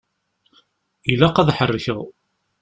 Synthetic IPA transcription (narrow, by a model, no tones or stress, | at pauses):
ilæqæðħərːəçəʁ